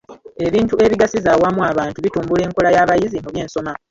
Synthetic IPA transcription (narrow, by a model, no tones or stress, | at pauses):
e̞βiːntue̞βiɡasizawamuaːβaːntuβituːmbule̞ːŋkolajaβajizimuβje̞ːnso̞ma